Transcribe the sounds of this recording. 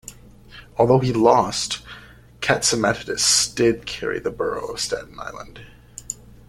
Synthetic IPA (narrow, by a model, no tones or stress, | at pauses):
ɔlˠðoʊilɔst | kʰætsɨmɛθɨɾɨsd̥ɪd̚kʰɛɹḭðɨbɜ˞o̰ʊʌv̥stɛ̰ʔⁿn̩a̰ɪlˠə̰̃nd̥